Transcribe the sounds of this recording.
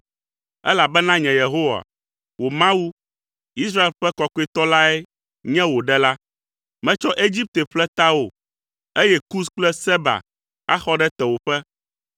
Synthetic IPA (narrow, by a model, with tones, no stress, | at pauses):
ɛ̰˦la˨bɛ˦nã˦ɲɛ̃˨je˨ɦo˦wa̰˨ | wo˨mã˦wu˦ | i˦s̬ɾa˦e˨lɸɛ˦kɔ˦kɔ˦i˦t̪ɔ˦la˦ɛ˦ | ɲɛ̃˦wo˨ɖɛ˦la˦ | mɛ̃˦t͡ʃɔ˦ʔe˦d͡ʑi˦p̚t̪e˨ɸlɛ˦t̪a˦wo˨ | e˦jɛ˦ku˦sk͡plɛ˦sɛ˦ba̰˨ | a̰˦xɔ˦ɖɛ˦t̪ɛ˨wo˨ɸɛ˦